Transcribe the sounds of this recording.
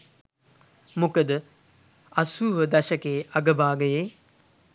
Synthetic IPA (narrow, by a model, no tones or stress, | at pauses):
mʊkəd̪ | ɐsuːʋəd̪ɐʃɐkeːɐɡəbaːɡɐjeː